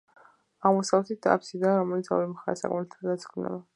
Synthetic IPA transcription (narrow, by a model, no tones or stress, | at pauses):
aʁmɔsavɛt̪ʰit̪̚t̪a̰psid̪aːɾɔmɛlit̪sʰa̰vimɔχaɾɛsakʼɔmnɛt̪ʰad̪at̪skʰnɛ̰ba